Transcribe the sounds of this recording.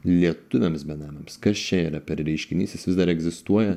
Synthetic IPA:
lʲiɛt̪ʊʋʲɛmsbʲɛnɑːmʲɐmskɐst͡ʃʲɛiːɾɐpʲɛɾɾʲɛɪʃʲkʲɪnʲiːsʲɪsʋʲɪzd̪ɐɾɛɡzʲɪst̪uɔjɛ

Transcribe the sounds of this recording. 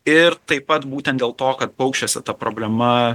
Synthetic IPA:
ɪɾt̪ɐɪpɐt̪buːt̪ʲɛnt̪d̪ʲeːlˠt̪oːkɐt̪̚pɐʊkʃʲt͡ʃʲosʲɪt̪ɐpɾoːbʲlʲɛmɐ

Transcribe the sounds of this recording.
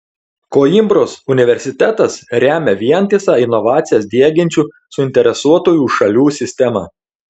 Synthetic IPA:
koːimbɾoːsʊnʲɪʋʲɛɾʲsʲɪt̪ʲæt̪ɐsɾʲæːmʲɛʋʲiɛnʲt̪ʲɪsɑːɪnɔʋɑːt̪sʲɪjɛs̬d̪ʲiɛɡʲɪnʲt͡ʃʲuː | sʊɪnʲt̪ʲɛɾʲɛsuɔt̪oːjuːʃɐlʲuːsʲɪsʲt̪ʲɛmɑ̰ː

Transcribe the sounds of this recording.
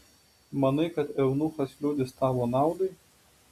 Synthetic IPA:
mɐnɨjkɐt̪ɛwnuxɐsʲlʲud̪ʲɪst̪aːʋɔnawd̪ɨj

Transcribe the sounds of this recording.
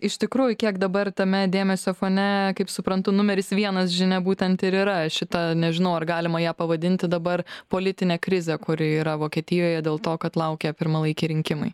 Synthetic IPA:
ɪʃʲt̪ʲɪkɾuːjʊkʲiɛkd̪ɐbɐrt̪ɐmʲɛd̪ʲeːmʲɛsʲoːfoːnʲɛkɐɪpsʊpɾɐnt̪ʊnʊmʲɛɾʲɪsʋʲiɛnɐsʒʲɪnʲɛbuːt̪ʲɛnt̪ɪɾiːɾɐʃʲɪt̪ɐnʲɛʒʲɪnɐʊɐrɡɑːlʲɪmɐjæːpɐʋɐd̪ʲɪnʲt̪ʲɪd̪ɐbɐrpoːlʲɪt̪ʲɪnʲeːkɾʲɪzʲɛkʊɾʲɪiːɾɐʋoːkʲiɛt̪ʲɪjoːjɛd̪ʲeːlˠt̪oːkɐt̪lˠɐʊkʲɛːpʲɪɾmɐlˠɐɪkʲiɾʲɪŋʲkʲɪmɐɪ

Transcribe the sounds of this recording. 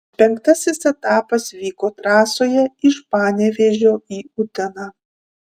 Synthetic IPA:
pʲɛŋkt̪ɐsʲɪsɛt̪ɑːpɐsʋʲiːkoːt̪ɾɑːsoːjɛɪʃpɑːnʲɛʋʲeːʒʲoːiːʊt̪ʲɛnɑː

